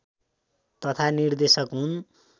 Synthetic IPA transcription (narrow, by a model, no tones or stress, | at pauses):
t̪ʌt̪ʰanird̪esʌkɦun